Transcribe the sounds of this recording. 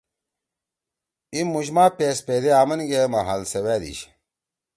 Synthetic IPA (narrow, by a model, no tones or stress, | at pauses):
imːuɕmaːpeːsped̪eaːmɐnɡemaɦalsewæːd̪ḭɕ